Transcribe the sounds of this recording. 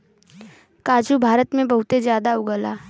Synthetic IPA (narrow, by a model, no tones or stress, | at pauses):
kaːd͡ʒubʱaːɾət̪mẽbɐɦʊt̪ezjaːd̪aʊɡəlaː